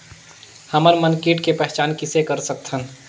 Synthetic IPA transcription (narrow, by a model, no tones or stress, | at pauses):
həməɾmənkiʈkepɛɦɛt͡ʃaːnkɪsekəɾsək̚t̪ʰən